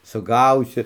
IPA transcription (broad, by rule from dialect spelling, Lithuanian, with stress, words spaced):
sʊˈɡɐʊsʲɪ